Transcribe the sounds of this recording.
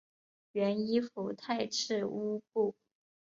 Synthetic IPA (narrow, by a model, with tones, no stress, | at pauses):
ɥɛ˧˥ni˥fu˧˥t̪ʰa˥˧ɪʈ͡ʂʰɻ̩˥˩u˥pu˥˩